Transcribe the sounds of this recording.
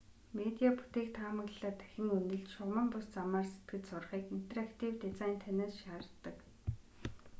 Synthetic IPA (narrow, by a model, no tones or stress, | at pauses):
met̪ʲiapu̥t̪eːk̚t̪ʰaːmə̆ɣɮaːt̪æ̥xʲɪ̆ŋunɵ̆ɮt͡ɕʃʊʁmə̆mpʊst͡samaːrset̪̚ɡɘ̆t͡ɕsʊrχiːkin̥t̪eɾakt̪ʰiwt̪et͡saːnt̪ʰæneːsʃaːrt̪ːə̆k